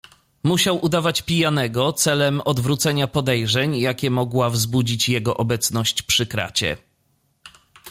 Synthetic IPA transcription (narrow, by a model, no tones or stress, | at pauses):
muɕawʔud̪avat͡ɕpʲijanɛɡɔt̪sɛlɛmɔd̪vɾut̪sɛɲapɔd̪ɛjʐɛɲjakʲɛmɔɡwavzbud͡ʑit͡ɕjɛɡɔʔɔbɛt̪snɔɕt͡ɕpʂɘkɾa̰t͡ɕɛ̰